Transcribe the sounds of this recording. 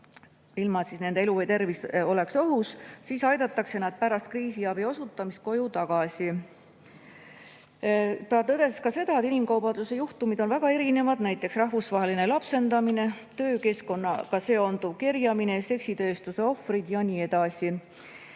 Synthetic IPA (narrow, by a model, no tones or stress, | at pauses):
ilmɑt̪sisne̞nd̪eeluvejt̪e̞rviso̞le̞kso̞ɦussiːsɑjd̪̥ɑt̪ːˑɑkse̞nɑd̪̥̚pæɾɑst̪̚kriːsiɑbio̞sut̪ːˑɑmist̪ko̞jut̪ɑɡ̥ɑsi | t̪ɑt̪ɤd̪eskɑse̞d̪ɑet̪inimkɑwbɑnd̪use̞juht̪umid̪̥o̞nvæɡ̥ɑe̞ɾine̞vɑd̪̥næjt̪ːˑe̞ksrɑɦvusvɑɦe̞line̞lɑpse̞nd̪ɑmine̞ | t̪ø̞ːke̞sko̞nːɑkɑse̞ːond̪ub̚kirjɑmine̞se̞ksit̪ø̞ːst̪use̞o̞frid̪̥jɑniːe̞d̪̥ɑsʲi